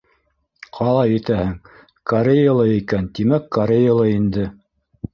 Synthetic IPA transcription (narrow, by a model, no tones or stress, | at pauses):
qʰɑlˠɑjit̪æhɘŋ | kɐɾʲejalˠɤikænt̪imækːɐɾʲejalˠɤind̪ɘ